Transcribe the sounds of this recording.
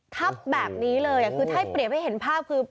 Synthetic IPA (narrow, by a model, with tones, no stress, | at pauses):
t̪ʰa˦˥˩p̚bɛː˨˩p̚niː˦˥lɤː˧jʔa˨˩kʰɯː˧t̪ʰa˥˩˥jpɾi˨˩əp̚ha˥˩jɦe˩˦npʰaː˥˩p̚kʰɯː˧